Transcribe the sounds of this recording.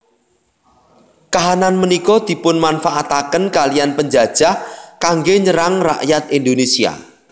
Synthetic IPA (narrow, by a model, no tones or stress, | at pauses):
kaɦananmənikɔd̪̥i̤pʊnmanfaʔat̪akənkalijanpəɲd͡ʒad̥ʒ̥a̤kaŋɡeɲəɾaŋra̰ʔjat̪̚ind̪onesia̰